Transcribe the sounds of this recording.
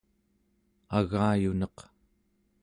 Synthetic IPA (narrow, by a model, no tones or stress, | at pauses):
aɣaːjunʌq